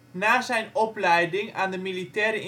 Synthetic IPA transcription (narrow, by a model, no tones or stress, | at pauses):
naːzɛjnɔplɛjdɪŋaːndəmilitɛːɾə